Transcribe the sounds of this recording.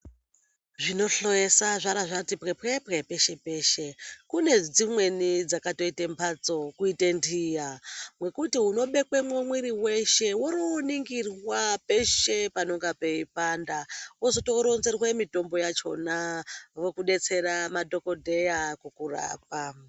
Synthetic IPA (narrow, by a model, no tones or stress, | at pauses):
ʐino̞ɬo̞jesaʐaɾaʐatipɣepɣepɣepe̞ʃe̞pe̞ːʃe̞kune̞d͡zimwe̞nid͡zakato̞itempʰat͡so̞kuitendijamwe̞kutiɦuno̞ɓe̞kwe̞mwemwiɾiwe̞ʃe̞woɾoniŋɡirwape̞ʃe̞panoŋɡape̞ipandawozoto̞ɾo̞nze̞rwemito̞mbo̞jat͡ʃo̞̰naro̞kuɗe̞t͡se̞ɾamadʱo̞ko̞dʱe̞jakukura̰ːp̚a